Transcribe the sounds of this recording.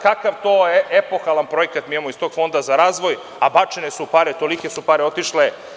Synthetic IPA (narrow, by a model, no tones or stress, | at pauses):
kakaʋt̪ojeʔepo̞xalˠanpɾo̞jekat̪mijemoist̪o̞ɡ̥fo̞nd̪azaɾaːzʋo̞j | abat͡ʃenesupaːɾet̪o̞likesupaːɾeo̞t̪iʃle